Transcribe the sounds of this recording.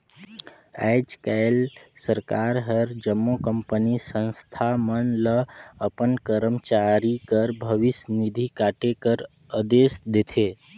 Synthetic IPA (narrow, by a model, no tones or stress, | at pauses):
ɛjd͡ʒkajlsəɾkaɾɦəɾd͡ʒəmːokəmpənisə̃nst̪ʰamənləəpənkəɾəmt͡ʃaɾikəɾbʱəʋɪsnid̪ʱikaʈekəɾ | əd̪esd̪et̪ʰe